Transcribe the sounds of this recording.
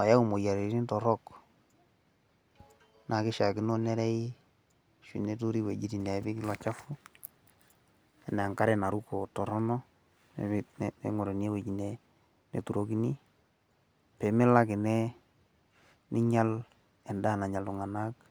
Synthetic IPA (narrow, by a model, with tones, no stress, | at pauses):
a˨ja˦u˨mo˨ja˨ɾe˨˦i˦ntɔ˨ɾɔ˦k | nʔa˨kɪ˦ʃa˨kɪ˦no˦nɛ˦ɾɛ˦i˦ | ʃwḭ˨ne˦tu˦ɾi˦we˨d͡ʒi˦ti˨ne˨˦bi˦kɪ˦lɔ˨t͡ʃa˦fʊ˦ | ɛ˨n˨a˨ŋka˦ɾe˦˨na˨ɾu˦ko˨tɔ˨ɾɔ˦nɔ˦ | nennḛ˨ŋo˨ɾe˨ni˦e˦we˨t͡ʃi˨ne˦ | nḛ˨tu˨ɾo˦ki˦ni˦ | pe˨me˦la˦kɪ˨nɛ˦ | nɪ˦ɲa˦l | ɛ˨nda˦˨na˨ɲa˨ltu˨ŋa˨na˦k̚